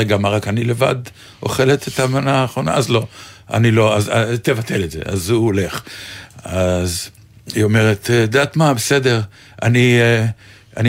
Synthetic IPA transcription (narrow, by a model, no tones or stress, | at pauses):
eɡamaʁakanileva̰d̪ | o̞̰χe̞let̪et̪amanaːχʁo̞na̰azlo̞a̰nilo̞azat̪evat̪ʰe̞letze̞̰ʔa̰zuole̞χ | az | iome̞ʁet̪d̪at̪mabese̞de̞ʁ | a̰ni | ani